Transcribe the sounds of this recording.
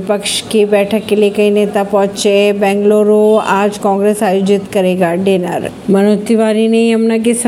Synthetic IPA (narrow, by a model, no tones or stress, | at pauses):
pəkʃkʰibɛːʈʰəkːelikəinet̪apɔ̃ɦt͡ʃebɛ̃ŋɡloɾoad͡ʒkɔ̃ŋɡɾesajod͡ʒɪt̪kəɾeɡaɖenaɾ | mənot̪iʋaɾineiəmnakes